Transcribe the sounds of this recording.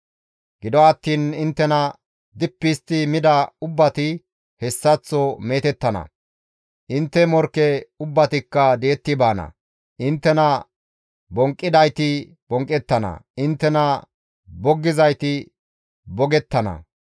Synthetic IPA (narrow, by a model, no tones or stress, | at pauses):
ɡɪd̪ɔɐt̪ːiːnɪnt̪ːɛnɐ | d̪ɪpːɪst̪ːɪmɪd̪ɐʊbːɐt̪ɪ | hɛsːɐt͡sːɔmeːt̪ɛt̪ːɐnɐ̰ | ʔɪnt̪ːɛmɔɾkːɛʊbːɐt̪ɪkːɐd̪eːt̪ːɪbaːnɐ̰ | ʔɪnt̪ːɛnɐ | bɔŋkʼːɪd̪ɐjt̪ɪ | b̥ɔŋkʼːɛt̪ːɐnɐ̰ɪnt̪ːɛnɐ | bɔɡːɪzɐjt̪ɪ | bɔɡɛt̪ːɐnɐ̰